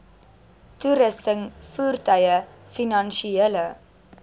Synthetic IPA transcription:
tuɾəstəŋfuːrtœjə | finɐnʃielə

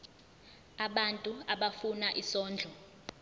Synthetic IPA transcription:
aɓantʼuaɓafunaʔisɔːnd͡ɮʱɔ

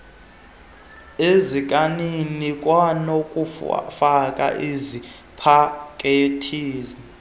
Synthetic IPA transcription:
ezikʼaninikʼwanokʼufakʼa̰ʔezi | pʰakʼetʰiːzi

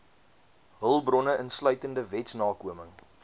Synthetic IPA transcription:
ɦəlˠbrɔnəʔənslœɥtəndəvɛtsnɑːkuəməŋ

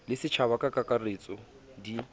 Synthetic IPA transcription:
lɪsɪt͡ʃʰaβakʼakʼakʼaret͡sʼɔ | di

